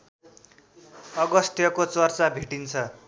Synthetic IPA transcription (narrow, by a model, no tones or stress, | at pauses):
ʌɡʌst̪jʌkot͡sʌrt͡sabʱiʈint͡sʰʌ